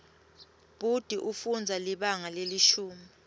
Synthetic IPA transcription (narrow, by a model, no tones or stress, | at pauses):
b̥ud̥ʱiʔufund͡zʱaliɓaŋaleliʃuːmi